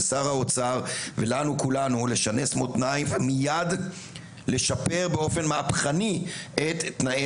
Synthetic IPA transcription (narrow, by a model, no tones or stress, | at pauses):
saʁaot͡saʁve̞lanukulanule̞ʃane̞smotnajvmijad | le̞ʃape̞ʁbeo̞fe̞nmaapχaniʔet̪ːnae